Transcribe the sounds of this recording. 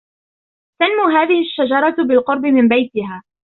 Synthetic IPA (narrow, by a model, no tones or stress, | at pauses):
t̪anmuːɦaːðɪhɪʃːad͡ʒɑɾˤɑbɪlqʊɾˤbɪmɪmbajt̪ɪɦaː